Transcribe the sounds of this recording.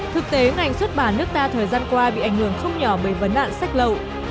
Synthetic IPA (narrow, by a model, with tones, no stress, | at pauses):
t̪ʰɨ˨˩k̚t̪e˨˦ŋa˨˩jŋ̟swə˦˥t̚ɓaː˧˩nɨ˦˥ək̚t̪aː˧t̪ʰəː˨˩jzaː˧nkwaː˧ɓḭ˧˨ʔa˧˩jŋ̟hɨ˧˩əŋxə˧wŋ͡mɲɔ˧˩ɓəː˧˩jvə˨˦nːla̰ː˧˨nsa˦˥k̟̚lə˨w